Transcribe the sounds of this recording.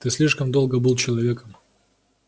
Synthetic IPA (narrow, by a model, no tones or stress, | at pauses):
t̪ɨsʲlʲiʂkəmd̪o̞lˠɡəbɨlˠt͡ɕɪlˠɐvʲe̞kəm